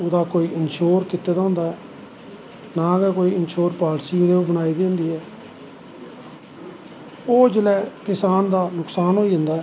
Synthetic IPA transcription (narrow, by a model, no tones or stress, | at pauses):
ʊd̪aːkoːiːʔɪnʃoːɾkɪt̪ːeːd̪aːɦʊ̃ːnd̪aːɛː | nãːkɛkoːiːɪnʃoːɾpaːɽsiːʊd̪eːobəɽ̃aːiːd̪ẽːnd̪iːɛː | oːd͡ʒəlɛːkɪsaːnd̪aːnʊksaːnɦoːiːd͡ʒə̃nd̪aːɛː